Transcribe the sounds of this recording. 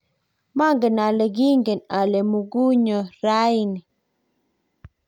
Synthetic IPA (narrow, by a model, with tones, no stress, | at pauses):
ma˦ŋɡe˨na˨le˨ɡi˦ŋɡe˨na˨le˨mu˨ɡu˦ɲo˨ɾa˦i˨ni˨